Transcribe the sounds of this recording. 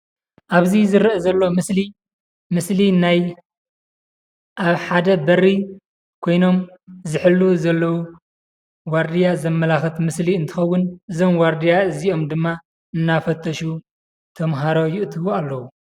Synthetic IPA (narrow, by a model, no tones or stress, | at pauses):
ʔaβzizɨɾʔɐzɐlːo̞mɨsli | mɨslinaj | ʔaβħad̪ɐbɐrːi | kʰo̞jno̞mzɨħɨlːuzɐlːɐwu | waɾd̪ijazɐmːɐlaxɨt̪mɨsliɨnt̪ʰɨxɐwːʊnʔɨzo̞mwaɾd̪ijaɨzio̞md̪ɨmːa | ɨnːafɐt̪ʰːɐʃu | t̪ʰɐmɦaɾo̞jɪʔt̪ʰɨβualːɐwu